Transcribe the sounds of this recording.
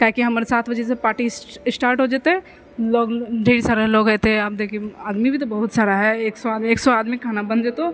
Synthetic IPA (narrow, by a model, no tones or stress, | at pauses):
kaːkiɦɐmːɾesaːt̪ʰbəd͡ʒesepaːʈisɪsʈaːɾʈɦoːd͡ʒet̪ɦɛ̃ | loːɡd͡ʒʱeːɽisaːɾeɦloːɡɛːt̪eɦɛ̃aːp̚d̪eːkʰieaːd̪mibʱit̪̬obɐɦʊt̪saːɾaɦɛeːksoaːd̪mieːksoaːd̪mikʰaːnabɐ̃nd͡ʒet̪oː